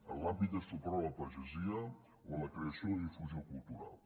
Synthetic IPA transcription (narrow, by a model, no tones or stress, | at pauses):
əlːapid̪est̪opɾɔlapɐʒezia | wolakɾeasioðifuziokulˠt̪uɾa̰lˠ